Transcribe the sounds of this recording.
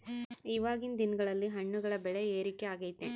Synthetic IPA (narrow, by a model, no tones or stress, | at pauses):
iʋaːɣɪnd̪ɪnɡɐɭɐlːiɦɐɳːɯɣɐɭɐbɛɭɐeːɾɪkːeaːɣɐjt̪ːeːn